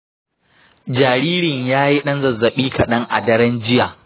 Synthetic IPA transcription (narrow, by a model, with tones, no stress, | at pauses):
d͡ʒaː˨ɾiː˦ɾɪ˨ɲjaː˦ji˦ɗɐ˦nzɐ˨zːɐ˨ɓiː˦kɐ˨ɗɐ˦ŋʔa̰˨dɐ˦ɾɐ˦nd͡ʒɪ˦jaː˨